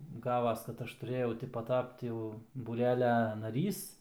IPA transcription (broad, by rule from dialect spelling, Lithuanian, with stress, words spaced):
ˈɡɑːʋɐs kɐt ˈɐʃ tʊˈrʲeːjɛʊ ˈtʲɪ pɐˈtɐpt jɛʊ buːˈrʲæːlʲɛ nɐˈrʲiːs